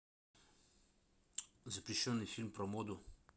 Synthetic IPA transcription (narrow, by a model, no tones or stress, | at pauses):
zapɾiʃəwnifilmpɾɔmoːd̪u